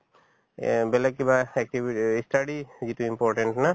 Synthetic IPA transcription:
bɛlɛkibaɛk̚ʈibisʈaɖizituimpɔɾʈeɳʈna

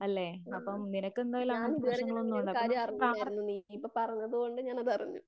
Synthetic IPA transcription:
ɐlːeɐpːɐmninɐkːe̞nd̪aːjilaːnɐbʂɐŋːɐɭonːuoɖɐpkaːɾjɐɐraɐnːunipːoːpɐrɐɲːɐðɨko̞ɳɖɨɲaːnɐðɐriɲːṵ

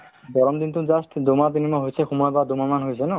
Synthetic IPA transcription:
bɔɾɔmd̪int̪uzastʰd̪omat̪inimaɦojsɛxumjbad̪omamanɦojsʰɛnɔ

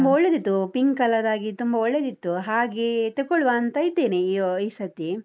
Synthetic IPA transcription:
umbɐɔɭːed̪it̪ːupiŋɡkɐlːɐd̪aːɡit̪umbɐɔɭːed̪it̪ːuɦaːɡet̪ɐkːɔɭuʋaːnt̪ɐjit̪ːeːneioisɐt̪ːi

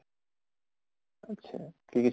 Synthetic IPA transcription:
atːɕʰa̰kikit͡ɕ

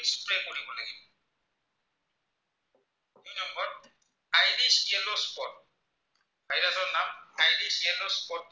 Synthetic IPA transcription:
kspɹɛkoɹibɔlaɡibɔ | unɔmbɔɹ | ajdisiɛlospɔt̚ | ajɾasɔɹnamajdisɛlɔspɔt

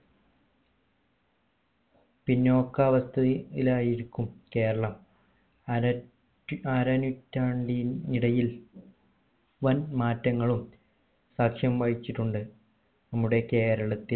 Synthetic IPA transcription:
pinːo̞ːkːɐːʋɐst̪ʰɐilaːjiɾikʲːumke̞ːɾɐɭɐm | aːɾɐnutːaːɳɖiniɽɐjil | ʋɐnmaːtːɐŋːɐɭum | saːkʂjɐmʋɐɻit͡ɕːiʈːuɳɖɨ | nɐmːuɽeke̞ːɾɐɭɐt̪ːil

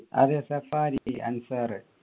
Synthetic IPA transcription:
ɐ̰ðesɐfaːɾiɐ̰nsaɾ

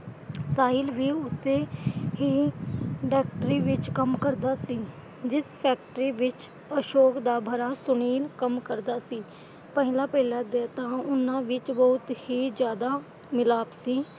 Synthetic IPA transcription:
saːɦɪlbʱiʊseɦi | ɖɛːk̚ʈəɾiʋɪt͡ʃkəmkəɾd̪asi | d͡ʒɪspʰɛːk̚ʈəɾiʋɪt͡ʃ | əʃoːkd̪abʱəɾasʊniːlkəmkəɾd̪asiː | pəɦɪlapəɦɪlad̪eːt̪aʊnãʋɪt͡ʃbəɦʊt̪hid͡ʒjaːd̪a | mɪlaːbsiː

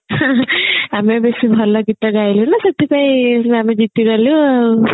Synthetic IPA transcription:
ɐmebesibʱɐlːɐɡiʈ̪ːɐɡaːjlunasɐt̪ːipɐjɐmed͡ʒit̪ːiɡɐlːu

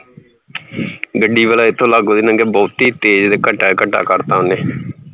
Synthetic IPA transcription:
ɡəɖːiːʋəlaːɪt̪ʰːõːlaɡoːd̪eːnəŋɡeːbɔːt̪iːt̪eːd͡ʒd̪eːkəʈːaːkəʈːa̰ːkəɾt̪aːʊneː

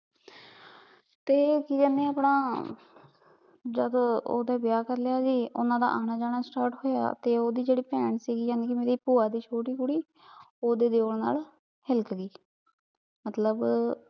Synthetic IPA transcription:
t̪eːkɪd͡ʒaːnẽːapɳaː | d͡ʒəd̪o̰ːd̪aːbɪjaːkəɾlɪjaːd͡ʒiːʔʊ̰nãːd̪a̰ːʔaːnaːd͡ʒaːɳaːsʈaːɾʈhoːja̰ːt̪eːoːd̪iːd͡ʒeːɽiːpɛːɳsiːɡiːd͡ʒãːneːkɪmeːɾiːpuːaːd̪iːt͡ʃʰoːʈiːkʊɽiː | oːd̪eːd̪eoːlna̰ːl | hɪlkɡiː | mət̪ləb

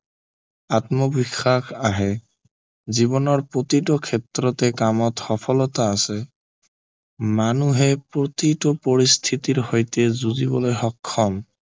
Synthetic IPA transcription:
at̪mɔbixʰːakʰaɦɛ | zibɔnɔɹpɹot̪iʈɔkʰet̪ːɾɔt̪ɛkamɔt̪xɔpʰɔlɔt̪aːse | manuɦepɹot̪iʈɔpɔɹist̪ʰit̪iɹhojt̪ezuzibɔlojɦɔkʰːɔm

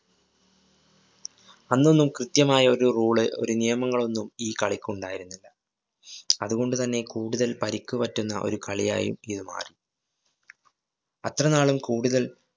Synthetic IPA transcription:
ɐnːo̞nːumkrɨt̪jɐmaːjɐoɾuruːɭɨo̞̰ɾunijɐmɐŋːɐɭo̞nːumiːkɐɭikʲːuɳɖaːjiɾunːilːɐ | ɐðuɣo̞ɳɖut̪ɐnːe̞kuːɽuðɐlpɐɾikʲːupɐtːunːɐ̰ʔo̞̰ɾukʰɐɭija̰ːjṵmiðɨma̰ːri | ɐt̪rɐnaːɭumkuːɽuðɐl

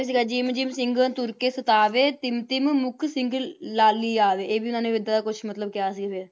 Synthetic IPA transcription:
is̬iːɡaːd͡ʒiːmd͡ʒiːmsɪ̃ŋɡənt̪ʊɾkeːsət̪aːʋeːt̪ɪmt̪ɪmmʊkʰsɪ̃ŋɡlaːliːaːʋeːeːbiːʊnãːnẽːʋɪd̪aːd̪aːkʊt͡ʃʰmət̪ləb̚kɪjaːsiɡːpɪɾ

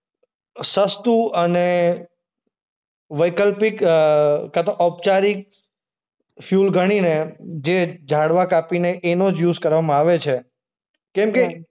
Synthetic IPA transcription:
səst̪uəne | ʋəjkəlpik | kat̪oʔɔp̚t͡ʃaɾik̚ | fjulɡʱəɽ̃ined͡ʒed͡ʒʱaɽʋakapineʔenod͡ʒjuzkəɾʋamãaʋet͡ʃʰe | kɛ̃mke

